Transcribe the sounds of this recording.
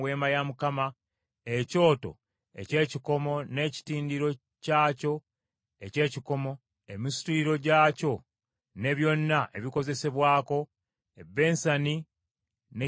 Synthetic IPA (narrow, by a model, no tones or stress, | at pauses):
weːmajamukama | e̞co̞ːto̞̰ | e̞̰ce̞ːciko̞mo̞ne̞ːci̥tiːndiɾo̞ | caːco̞ | e̞ce̞ːciko̞mo̞ | emisi̥tuiɾo̞ɟaːco̞ | ne̞βjo̞nːaʔe̞βiko̞ze̞se̞βwaːko̞ | ebːe̞ːnsani | ne